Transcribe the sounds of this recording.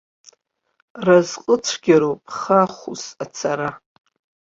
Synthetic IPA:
razqʼət͡sʷʰɡʲaɾopʰʼχaχusat͡sʰaɾa

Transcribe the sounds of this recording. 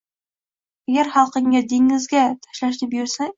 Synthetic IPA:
aɡʲaɾχɑlˠqɨŋʲad̪eŋɪzɡʲat̪ʰḁʃlaʃ̬nɪpjʊɾsa

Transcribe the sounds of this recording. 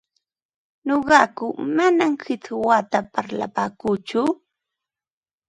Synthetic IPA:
ɲoɢɑkʊmanamhɪt͡swat̪apaɾla̰paːkuːt͡ʃʊ

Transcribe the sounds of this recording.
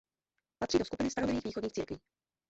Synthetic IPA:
pat̪r̥iːdoskupɪnɪst̪aɾovlɪviːxviːxodɲiːxt͡siːɾkviː

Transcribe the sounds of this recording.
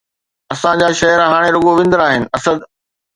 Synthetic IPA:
ɐsãd͡ʑaːʃɐɦəɾɦaːɽ̃eɾʊɠoʋɪ̃nd̪əɾaːɦɪnɪ̆ʔɐsəd̪

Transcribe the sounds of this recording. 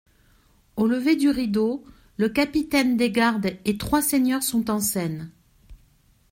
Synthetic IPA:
oləved̪yʁid̪o | ləkapit̪ɛnd̪eɡaʁd̪et̪χwaseɲœʁsɔ̃t̪ɑ̃sɛn

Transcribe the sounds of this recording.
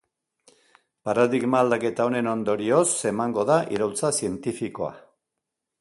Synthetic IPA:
paɾaðiɣmaːld̪ake̞t̪ao̞ne̞no̞nd̪o̞ɾio̞se̞maŋɡo̞ðaʔiɾowlt͡sasie̞nt̪ifiko̞a̰

